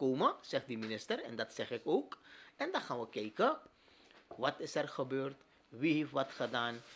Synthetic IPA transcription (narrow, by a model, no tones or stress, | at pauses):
koːməz̥ɛχt̚dəminɪstəɾɛ̰ndɑtsɛχɪkoːkɛndɑχaːnʋəkɛjkə | ʋɑtɪsɛrχəbøːrt | ʋiɦeftʋɑtχədaːn